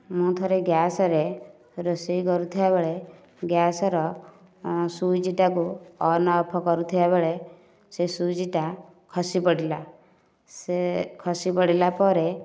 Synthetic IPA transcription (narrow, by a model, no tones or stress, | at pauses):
mũt̪ʰɔɾeɡjasɔɾe | ɾɔsijkɔɾut̪ʰibabeɭe | ɡjasɔɾɔ | sud͡ʒiʈakuɔnɔːpʰɔkɔɾut̪ʰibabeɭe | sesud͡ʒiʈa | kʰɔsipɔɽila | sekʰɔsipɔɽilapɔɾe